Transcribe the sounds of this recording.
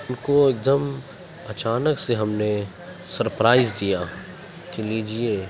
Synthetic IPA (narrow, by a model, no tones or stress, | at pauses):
ʊnkoeːk̚d̪əm | ɐt͡ʃaːnəkseɦɐmne | sɐɾpɾaːɪzd̪ija | kiliːd͡ʒieː